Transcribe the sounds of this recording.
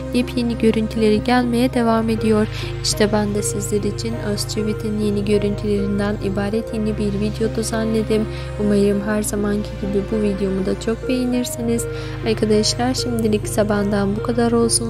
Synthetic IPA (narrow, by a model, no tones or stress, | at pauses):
jipʰje̞niɟø̞ɾynt̪ʰylʲe̞ɾiɟælʲme̞jɛd̪e̞vaːme̞d̪ijo̞ɾ | iʃt̪ʰɛbænd̪ɛsizlʲeɾiːt͡ʃʰinøst͡ʃʰyvit̪ʰinje̞niɟø̞ɾynt̪ʰylʲe̞ɾind̪ænḭbaːɾɛt̪jenibiɾvid̪jo̞d̪uzanlːʲe̞d̪im | umaɾɯmɦæɾzamancʰiɟibibuvid̪jo̞mud̪at͡ʃʰo̞k̚be̞jiniɾsiniz̥ | aɾkʰad̪aʃlˠaɾʃimd̪ilʲicsaband̪anbukʰad̪aɾo̞lˠsun